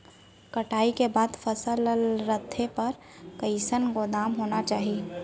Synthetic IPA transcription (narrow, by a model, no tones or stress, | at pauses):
kəʈʰaːikebaːd̪pʰəsəllɾət̪ʰːepɐɾ | kəɪsənɡod̪aːmɦonat͡ʃaːɦi